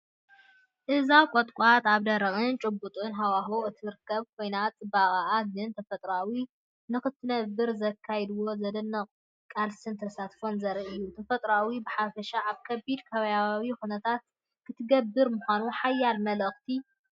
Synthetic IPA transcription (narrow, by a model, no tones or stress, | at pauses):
ʔɨzawkʼot̪ʼkʼat̪aβd̪ɐɾɐʔʼɨnt͡ʃʼɨbːut̪ʼɨnɦawaɦoʔɨt̪ʰiɾɨkʰːɐβkʰo̞jnat͡sʼɨbaɣʼaʔaɡɨnt̪ʰɐfɐt̪ʼɾawi | nɨxɨt̪ʰːɨnɐbɨɾzɐkʰːajɛd̪ɨwo̞zɐd̪ɨnːɐqʼ | kʼalsɨnt̪ʰɐsat̪fo̞nzɐɾiʔɨjːut̪ʰɐfɐt̪ʼɾawibɨħafɐʃaʔaβkʰɐbid̪kʰɐβɐjawixunɐt̪ʰat̪̚ | kʰɨt̪ʰɨɡɐbːɨɾmuxʷanuħajːalmɐlɐxt̪ʰi